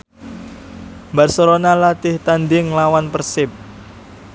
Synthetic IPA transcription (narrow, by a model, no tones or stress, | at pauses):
mbarsɔɾonalat̪ɪht̪and̪ɪŋlawanpərsɪp̚